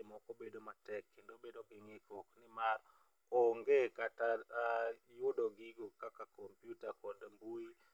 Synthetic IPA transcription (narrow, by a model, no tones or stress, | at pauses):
emɔkobedomatɛkːendobedoɡɪŋɪkɔknɪmar | ɔŋɡekata | jʊdoɡɪɡokakakompjutakɔdmbui